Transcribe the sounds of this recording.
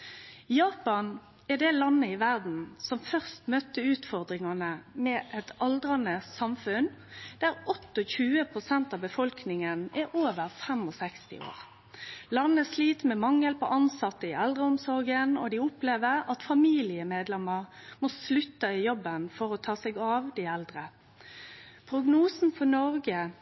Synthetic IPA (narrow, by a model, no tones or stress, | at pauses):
jɑːpɑn | ɛd̪ɛlɑnːəɪʋæʁd̪n̩sɔmfœʁst̪mœt̪ːəʉːt̪fɔʁd̪ʁɪŋɑnəmɛʔɛt̪ɑld̪ʁɑnəsɑmfʉnd̪̥æʁɔt̪ːɔçʉːəpʰʁʊsɛnt̪ɑːʋbəfɔlknɪŋənɛʔoːʋəʁfɛmɔsɛkst̪ɪ̰o̰ːʁ | lɑnːæsliːt̪mɛmɑŋːɛlpɔ̰ʔɑnsɑt̪ːəɪʔɛld̪ʁəɔmsɔɾɡənɔ̰d̪ɪʊpleːʋəʁɑt̪fɑmiːlɪəmeːd̪lɛməʁmɔslʉt̪ːɑɪjɔbːənfɔɾɔt̪ʰɑːsɛɡɑʋd̪ɪɛld̪ʁə | pʰɾʊɡnuːsn̩fɔnɔʁɡə